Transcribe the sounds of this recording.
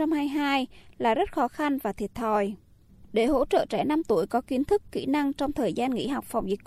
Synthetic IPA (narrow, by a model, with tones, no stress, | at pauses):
ɔ˧ŋ͡mhaː˧jɦaː˧jlaː˨˩zə˦˥t̚xɔ˨˦xa˧nvaː˨˩t̪ʰi˨˩ət̚t̪ʰɔ˧˩j | ɗe˧˩ɦo̰˧˥t͡ɕə̰ː˧˨t͡ɕɛ˧˩na˧mt̪u˧˩əjkɔ˨˦ki˨˦nt̪ʰɨ˦˥kːḭ˧˥na˧ŋt͡ɕɔ˧wŋ͡mt̪ʰəː˨˩jzaː˧nŋḭ˧˥ɦɔ˨˩wk͡p̚fa˨˩wŋ͡mvi˨˩k